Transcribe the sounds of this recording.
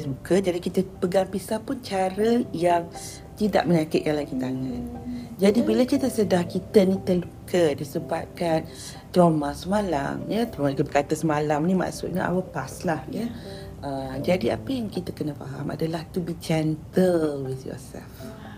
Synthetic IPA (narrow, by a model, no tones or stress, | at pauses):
lukəd͡ʒadikit̪əpəɡampisapʊnt͡ʃaɾəjaŋ | t̪ida̰ʔməɲakəʔ̪̚kanlaɡit̪aŋãnd͡ʒadibiləkit̪əsədahkit̪ənit̪əlukədisəbap̚kan | t̪ɾomasəmala̰mjət̪omaikəbəkat̪əsəmalamnima̰ʔsṵt̪̚ɲaʔa̰wəpaslahjə | əd͡ʒadia̰pəjaŋkit̪əkənəfa̰ɦa̰mʔa̰dalaht̪ubit͡ʃɛnt̪əlwiθjɔ̰sɛ̰lf